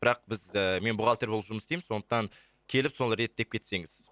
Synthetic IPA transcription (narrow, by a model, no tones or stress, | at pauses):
bɪɾɑq̚bɪzəme̞nbʊʁɑlˠt̪eɾbolˠəpʒʊməsst̪ejmɪnso̞nd̪əq̚t̪ɑn | kʲʰe̞lɪpso̞nˠɾe̞t̪̚d̪e̞p̚kʲʰe̞t̪se̞ŋɪz